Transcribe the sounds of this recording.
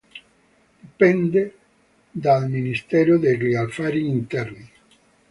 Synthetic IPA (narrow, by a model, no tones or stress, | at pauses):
pɛnd̪e | d̪alminist̪ɛɾod̪erialfaɾiːnt̪ɛɾni